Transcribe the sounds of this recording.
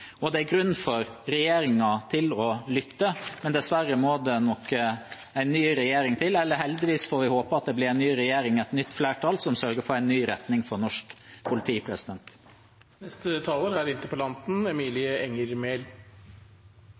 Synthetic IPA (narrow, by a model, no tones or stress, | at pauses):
ɔd̪ɛæɾɡɾʉnːfɔɾɾɛjeːɾɪŋɑt̪ʰɪlɔlʏt̪ːəmɛnd̪ɛsʋæɾəmoːd̪ɛnɔkːə | æɪnːyːɾɛjeːɾɪŋt̪ʰɪlɛlːəhɛld̪ɪʋiːsfoːɾʋɪhoːpəɑt̪̚d̪ɛblɪɾɛɪnnyːɾɛjeːɾɪŋɛɪt̪nʏt̪ːflæːʈʰɑːlsɔmsœɾɡəfɔɾæɪnːyːɾɛt̪nɪŋfɔɾnɔʂkpʰʊlɪt̪ʰiːpʰɾɛsɪd̪ɛnt̪ | nɛst̪ət̪ʰɑːloːɾæɾɪnt̪əpɔlɑnt̪n̩ɛmiːlɪəɛŋəɾmeːl